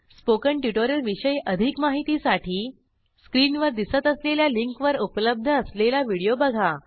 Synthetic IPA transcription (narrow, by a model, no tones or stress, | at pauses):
spokəɳʈjuʈoɾəlʋiɕəjəd̪ʱikmaɦit̪isaʈʰiː | skɾiːnʋəɾd̪isət̪əsleljaliŋkʋəɾupləb̚d̪ʱəːslelaʋiɽijobəɡʱa